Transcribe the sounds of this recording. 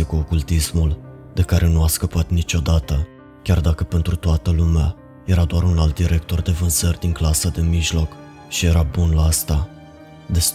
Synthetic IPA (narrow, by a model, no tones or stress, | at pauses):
ekuokult̪ismul | d̪e̞kaɾe̞nuaskəpat̪nit͡ʃo̞d̪at̪ə | kʲard̪akəpe̞nt̪ɾut̪oat̪əlumea | je̞ɾad̪oaɾunalt̪̚d̪iɾe̞k̚t̪o̞rd̪e̞vɨnz̥ərʲd̪iŋklasəd̪e̞miʒlo̞k | ʃije̞ɾabunlaast̪a | d̪es